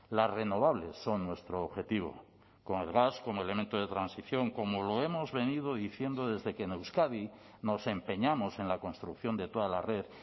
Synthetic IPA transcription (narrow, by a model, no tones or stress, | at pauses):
lazre̞no̞βaβ̞le̞sːo̞nnwe̞st̪ɾoːβxe̞t̪iβ̞o̞̰ | ko̞ŋe̞lɣasko̞moele̞mẽnt̪oð̞e̞t̪ɾansiθjo̞ŋko̞molo̞e̞mo̞zβe̞nið̞oðiθje̞nd̪o̞ðe̞zðe̞kene̞wskaðino̞se̞mpe̞ɲamo̞se̞nlako̞nst̪ɾukθjo̞nd̪e̞t̪o̞ðalare̞θ